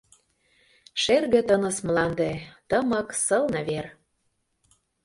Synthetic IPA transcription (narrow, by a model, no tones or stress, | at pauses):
ʃerɣɘ̆t̪ɤ̆nɤ̆smlɑnd̪et̪ɤmɤ̆ksɤlnɤ̆βer